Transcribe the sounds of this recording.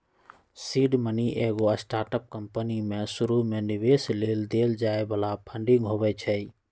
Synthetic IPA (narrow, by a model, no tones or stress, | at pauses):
siːɖməniʔeɡoəsʈaːɾʈəp̚kəmpənimẽsʊɾumẽnɪʋesleːld̪eld͡ʒaːebəlapʰə̃ɳɖɪ̃ŋɡɦobɛt͡ʃʰɛi